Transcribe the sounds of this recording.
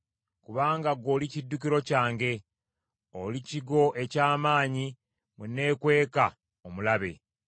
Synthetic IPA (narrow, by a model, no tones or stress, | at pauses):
kuβaːŋɡaɡo̞ːlicidːukiɾo̞caːŋɡe̞ | oliciɡo̞ʔe̞caːmaːɲi | munːe̞ːkwe̞ːka | omulaβe̞